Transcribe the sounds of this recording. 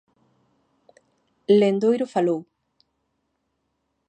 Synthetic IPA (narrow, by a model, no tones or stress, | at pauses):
lend̪ojɾʊfalow